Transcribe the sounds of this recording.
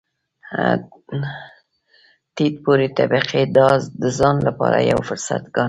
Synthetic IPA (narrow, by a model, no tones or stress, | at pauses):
t̪id̪poɾet̪abiqed̪ɑd̪əzɑnlapɑɾajawfʊɾsa̰t̪ɡɑn